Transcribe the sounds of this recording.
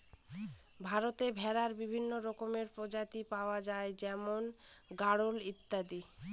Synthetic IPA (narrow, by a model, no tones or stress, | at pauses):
bʱaɾot̪ebʱɛɾaɾbibʱinːoɾɔkomeɾpɾod͡ʑat̪ipaoad͡ʑaed͡ʑɛmon | ɡaɽolit̪ːad̪i